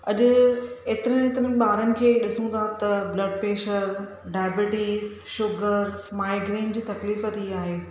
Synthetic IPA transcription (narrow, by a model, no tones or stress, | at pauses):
ɐʄʊeːt̪ɪɾənet̪ɪɾən̆ɓaːɾənɪ̆kʰeːɗɪsũd̪at̪ɐblɐɖ̚peːʃəɾ | ɖaːbɪʈiːz | ʃʊɡəɾmaːɪɡɾeːnd͡ʑiːt̪ɐkliːfət̪iaːɦeː